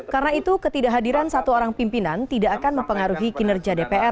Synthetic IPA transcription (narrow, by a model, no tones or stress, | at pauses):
karənait̪ukət̪idaʔɦadiɾansat̪uoɾaŋpimpinant̪idaʔːkanməmpəŋaɾuɦiɡinərd͡ʒadepeɛr